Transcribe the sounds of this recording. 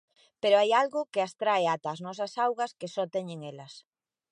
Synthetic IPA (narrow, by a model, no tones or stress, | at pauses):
peɾoajalɣʊkeast̪ɾaeat̪aːznɔs̬ɐsawɣɐskesɔt̪ɛɲeŋelɐs